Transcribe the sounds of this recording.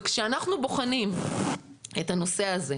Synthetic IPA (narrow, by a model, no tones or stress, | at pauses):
kʃeanaχnubo̞χanim | etano̞se̞aze̞